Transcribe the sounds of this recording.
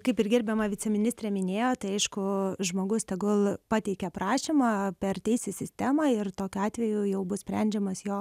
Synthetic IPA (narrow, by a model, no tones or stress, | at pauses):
kɐɪpɪrɡʲɪɾʲbʲɛmɐʋʲɪt͡sʲɛmʲɪnʲɪsʲt̪ɾʲɛmʲɪnʲeːjoːt̪ɐɪɐɪʃkʊʒmoːɡʊst̪ʲɛɡʊlˠpɑːt̪ʲɛɪkʲɛpɾɑːʃʲimɑːpʲɛrt̪ʲɛɪsʲɪsʲɪsʲt̪ʲæmɑɪrt̪oːkʲʊɑːt̪ʲʋʲɛjʊjɛʊbʊsʲpʲɾʲɛnʲd͡ʒʲɛmɐsjoː